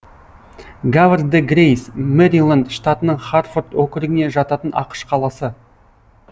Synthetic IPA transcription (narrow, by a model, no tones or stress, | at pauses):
ɡavrd̪əɡrʲejsmeɾilˠand̪ʃt̪at̪ənəɴχarford̪wɵkʲɪɾɪɡɪne̞ʒɑt̪ɑt̪ənʔɑ̰qə̥ʃqʰɑlˠɑsə